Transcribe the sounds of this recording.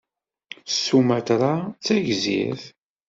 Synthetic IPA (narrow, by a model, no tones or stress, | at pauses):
sumæt̪ɾˤat͡sːæʝzḭθ